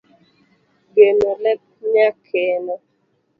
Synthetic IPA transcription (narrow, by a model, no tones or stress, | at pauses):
ɡenolɛp̚ɲakʰenɔ